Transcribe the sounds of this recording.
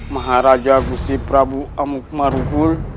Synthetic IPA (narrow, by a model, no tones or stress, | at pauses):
maɦaɾad͡ʒaɡusipɾabuamuk̚maɾukul